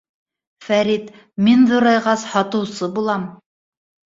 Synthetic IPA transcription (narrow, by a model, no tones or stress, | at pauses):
fæɾit̪ | minðŏɾɑjʁɑshɑt̪ɤ̆wsɤbulˠɑm